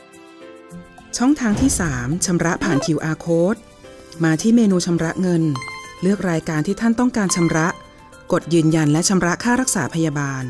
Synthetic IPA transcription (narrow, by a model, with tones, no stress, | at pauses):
t͡ɕʰɔ˥˩ŋt̪ʰaː˦˥ŋt̪ʰiː˥˩saː˩˦mt͡ɕʰa˧mɾa˦˥ʔpʰaː˨˩npʰi˨˩˦wʔaː˧kʰoː˦˥t̪̚ | maː˧t̪ʰiː˥˩meː˧nuː˧t͡ɕʰa˧mɾa˦˥ʔŋɤ˧nlɯ˥˩ək̚ɾaː˧jkaː˧nt̪ʰiː˥˩t̪ʰa˥˩nt̪ɔ˥˩ŋkaː˧nt͡ɕʰa˧mɾa˦˥ʔ | ko˨˩t̪̚jɯː˧nja˧nlɛ˦˥t͡ɕʰa˧mɾa˦˥ʔkʰaː˥˩ɾa˦˥k̚saː˩˦pʰa˧jaː˧baː˧n